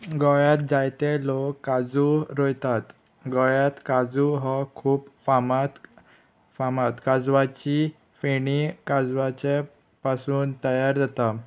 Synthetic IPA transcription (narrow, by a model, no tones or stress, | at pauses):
ɡɔjat̪̚d͡zajt̪elokːad͡zuɾɔjt̪at̪ | ɡɔjat̪kad͡zuɦɔkʰuːpfamat̪ | famat̪kad͡zʋat͡ɕi | feɳikad͡zʋat͡ɕe | pasuːnt̪əjaɾd͡zat̪a